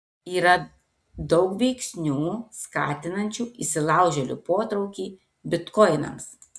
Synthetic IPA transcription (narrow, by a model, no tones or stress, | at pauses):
iːɾɐ | d̪ɒʊkʋʲɛɪksʲnʲuːskɑ̰ːt̪ʲɪnɐnʲt͡ʃʲuːisʲɪlˠɑˑʊʒʲɛlʲṵˑpoːt̪ɾɐʊkʲiː | bʲɪt̪kɔɪnɐ̰ms